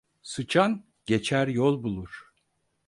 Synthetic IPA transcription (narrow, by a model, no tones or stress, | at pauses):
sɯt͡ʃʰan | ɟ̥et͡ʃʰæɾjɔlˠbulˠuɾ̥